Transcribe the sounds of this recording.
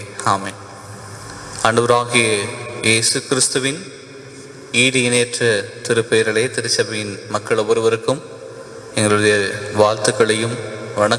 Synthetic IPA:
aːmen | ɐɳɖɯʋɐɾaːɣɪjɐʔeːsɯkɪɾɪst̪ɯʋɪn | iːɽɪɪneːʈrɐt̪ɪɾɯpːeːɾɐɭeːt̪ɪɾɯt͡ʃːɐbɐjɪnmɐkːɐɭɔʋɐɾɯʋɐɾɯkːɯm | ɛŋɡɐɭɯɽɐjɐʋaːɾt̪ɯkːɐɭɐjɯmʋɐɳɐk

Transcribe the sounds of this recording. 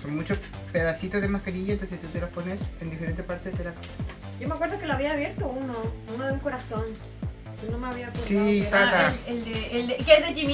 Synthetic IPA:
sonmut͡ʃos | peðasit̪ozðemakaɾiʝaent̪onset̪ut̪elosponesend̪ifeɾent̪epaɾt̪ed̪ela | ɟ͡ʝomeakweɾðokeloaβiaːβje̞ɾt̪ounounoðeuŋko̞ɾason | d͡ʒonomeaβiapesisat̪aeld̪eeld̪ekezðed͡ʒim

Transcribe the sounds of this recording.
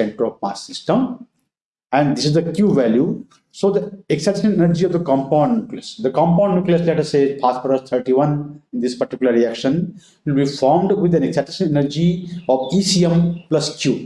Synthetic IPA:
sẽɳʈɾoːfma̰ːssɪsʈə̃m | æ̃ɳɖd̪ɪsizd̪əkjuːʋælju | soːd̪əeksæʈʃə̃ɳʈẽnəɾd͡ʒiɔʋd̪əkɔ̃mpãːɳɖnukliəsd̪əkɔ̃mpãːɳɖnjukliəslɛʈəseːpʰaːspəɾəst̪ʰəɾʈiʋʌ̃ñnd̪ispɐɾʈikjʊləɾɾiækʃə̃n | ʋɪlbifɔːɾmɖʋɪd̪æ̃neksæʈɪsə̃ɳʈenəɾd͡ʒiɔːʋiːsiẽmplɐskjuː

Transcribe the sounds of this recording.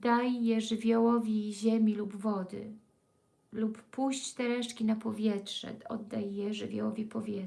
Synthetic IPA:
d̪ajːɛʐɘvʲjɔwɔvʲiʑɛmʲilubvɔd̪ɘ̰ | lupːuɕt͡ɕt̪ɛɾɛʂkʲinapɔvʲjɛtʂɛ̰ɔ̰d̪ːajːɛʐɘvʲjɔ̰wɔvʲipɔvʲjɛ

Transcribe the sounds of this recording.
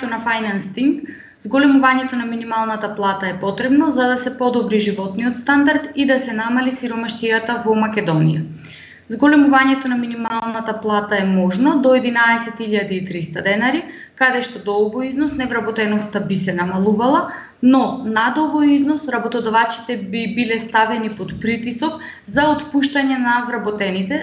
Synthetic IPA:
ɛt̪onafajnanst̪iŋɡ | zɡolɛmuvaɲɛt̪onaminimalˠnat̪aplˠat̪aɛpɔt̪ɾɛbnɔzad̪asɛpɔd̪ɔbɾiʒivɔt̪niɔt̪st̪and̪aɾt̪id̪asɛnamalisiɾɔmaʃt̪ijat̪avɔmakʲɛd̪ɔnḭja̰ | zɡɔlɛmuvaɲɛt̪onaminimalˠnat̪aplˠat̪aɛmɔʒnɔd̪ɔɛd̪inaɛsɛt̪iʎad̪iːt̪ɾist̪ad̪ɛnaɾi | kad̪ɛʃt̪ɔd̪ɔɔvɔjiznɔsnɛvɾabɔt̪ɛnɔst̪abisɛnamalˠuvalˠa | nɔnad̪ɔvojiznɔsɾabot̪ɔd̪ɔvat͡ʃi̥t̪ɛbibilɛst̪avɛnipot̪pɾit̪isɔkzaot̪puʃt̪aɲɛnavɾabɔt̪ɛnit̪ɛ

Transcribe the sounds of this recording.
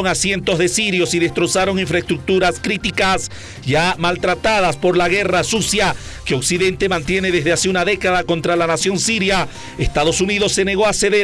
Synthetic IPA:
oŋasje̞nt̪o̞zðe̞siɾjo̞siðe̞st̪ɾo̞saɾo̞ŋiɱfɾaest̪ɾuk̚t̪uɾaskɾit̪ikas | ʝamalt̪ɾat̪aðaspo̞ɾlaɣe̞rasusja | keo̞ksiðe̞nt̪e̞mãnt̪je̞ne̞ðezðeaseunaðe̞kaðako̞nt̪ɾalanasjo̞nsiɾja | est̪aðo̞suniðo̞sːe̞ne̞ɣo̞aseðe

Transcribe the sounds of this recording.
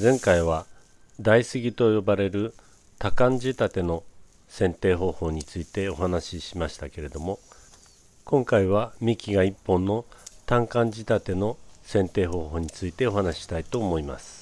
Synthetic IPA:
zẽ̞ŋkaiβ̞a | d̪aisɨɡʲit̪o̞jo̞baɾe̞ɾɯ̟ | t̪akãɲ̟d͡ʑit̪at̪e̞no̞ | sẽ̞nt̪e̞ːɦo̞ːho̞ːɲ̟it͡sɨit̪e̞o̞ɦanaɕiɕimaɕi̥t̪ake̞ɾe̞d̪o̞mo̞ | kõ̞ŋkaiβ̞amʲikʲiɡaipːõ̞nːo̞t̪ãŋkãɲ̟d͡ʑit̪at̪e̞no̞sẽ̞nt̪e̞ːɦo̞ːho̞ːɲ̟it͡sɨit̪e̞o̞ɦanaɕi̥ɕi̥t̪ait̪o̞ːmo̞ima̰sɨ̥

